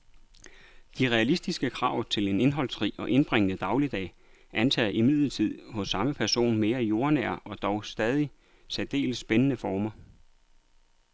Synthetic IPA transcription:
d̥iʁɛælisd̥isɡ̥əkʰʁɑ̰̈ʊt͡sʰe̝le̝ne̝nɦɒ̽l̰sʁḭːɒ̽ʔe̝nb̥ʁeŋənəd̥ɑ̈ʊlid̥ɛ̰ː | ʔænt͡sʰɛ̰ːð̩ˠimið̰̩ˠt͡sʰið̞̰ˠhɔ̽sːɑ̈məpʰæɐso̝̰ːnme̝ːɐjo̝ɐnæ̰ɐ̰ʔɒ̽d̥ɒʊsd̥ɛːð̞ˠi | sɛd̥e̝̰ːlsːb̥enənəfɒːmɐ

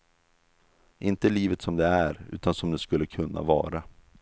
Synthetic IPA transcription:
ʔɪnt̪əliːvət̪sɔmd̪ɛæɾʉ̟ːt̪ansɔmd̪ɛskɵlːəkʰɵnːa̰vɑ̰ːɾa

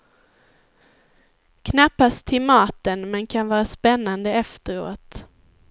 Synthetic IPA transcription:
kʰnapːast̪ʰɪlmɑːt̪ənmɛnkʰanvɑːɾaspɛnːand̪əɛft̪əɾo̰ːt̪

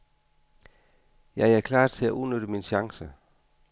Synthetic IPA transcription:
jɑ̈ɪækʰlɑ̰̈ːt͡sʰe̝læʔuðˠnøɾ̥əminɕɑ̈ŋsə

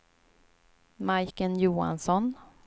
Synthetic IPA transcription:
majkənjuːa̰nsɔn

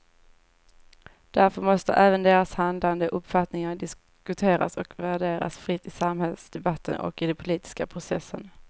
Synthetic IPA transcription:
d̪̥æɾfœɾmɔst̪ə̰ʔæːvənd̪eːɾashand̪land̪əʔɵpːfat̪nɪŋad̪ɪs | kɵt̪ʰeːɾa̰sɔkvæɖeːɾa̰sfɾɪt̪ːɪsamhɛlsd̪ɛbat̪ʰːə̰nɔ̰kːɪd̪ɛnpʰʊliːt̪ɪ̥skapʰɾʊsɛsːən

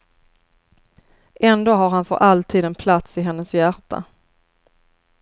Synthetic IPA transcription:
ʔɛnd̪oːɦaɾɦanfœ̰ɾʔalt̪ʰiːd̪ɛnpʰlat̪sɪɦɛnːəsjæʈʰːa̰

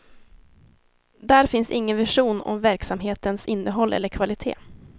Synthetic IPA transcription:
d̪æɾfɪnsɪŋːənvɪʂuːnɔ̰mvæɾksamɦeːt̪ənsɪnːəɦɔlːʔɛ̰lːəɾkʰvalɪt̪ʰḛː

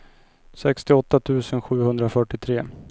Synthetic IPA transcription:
sɛkst̪ɪɔt̪ːat̪ʰʉ̟ːsənɧʉ̟ːhɵnd̪ɾafœʈːɪt̪ʰɾeː

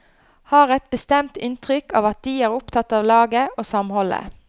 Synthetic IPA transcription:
hɑːʁɛt̪̚bəst̪ɛmt̪ɪnt̪ʁʏkɑ̰ːʋɑt̪̚d̪iːæːʁʊpt̪ʰɑt̪ːɑːʋlɑːɡəoːsɑmhɔlə̰

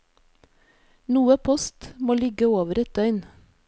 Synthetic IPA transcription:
nuːəpʰɔst̪moːlɪɡəoːʋəɾɛt̪̚d̪œʏn

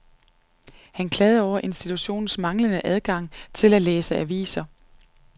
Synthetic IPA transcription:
hænkʰlɛːð̩ˠɒʊ̰ɐʔe̝nsd̥it͡sʰuɕo̝̰ːn̩smɑ̈ŋlənəʔæð̞ˠɡ̥ɑ̈ŋ̰t͡sʰe̝læleːsəʔæʋḭːsɐ

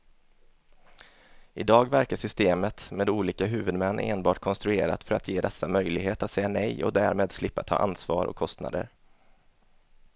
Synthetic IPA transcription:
ɪd̪ɑːɡvæɾkaʂʏst̪eːmət̪meːd̪uːliːkaɦʉ̟ːvɵd̪mɛnːʔeːnbɑːʈkʰɔnst̪ɾɵeːɾa̰t̪fœɾa̰t̪ʰjeːd̪ɛsːamœjlɪɡɦeːt̪at̪sɛjːanɛjɔ̰d̪æɾmeːd̪slɪpːat̪ʰɑ̰ːʔa̰nsvɑ̰ːɾɔ̰kʰːɔst̪na̰d̪ə̰ɾ

